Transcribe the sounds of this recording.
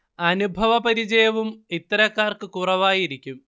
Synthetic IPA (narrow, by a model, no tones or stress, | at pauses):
ɐnubʱɐʋɐpɐɾid͡ʑɐjɐʋumit̪ːɐɾɐkːaːrkɨkuːrɐʋaːjiɾikʲːum